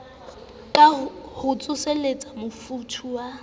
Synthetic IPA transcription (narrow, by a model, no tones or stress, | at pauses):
kʼahʊt͡sʼʊselet͡sʼamʊfutʰuwa